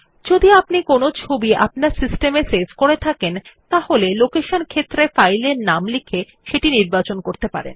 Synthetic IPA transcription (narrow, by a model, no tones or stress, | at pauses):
d͡ʑod̪iapnikonot͡ɕʰobiʔa̰p̚naɾsisʈemesed͡ʑkoɾet̪ʰakent̪aholelokeʃonkʰet̪ːɾefajleɾnamlikʰe | ʃeʈiniɾbat͡ɕonkoɾt̪epa̰ɾḛn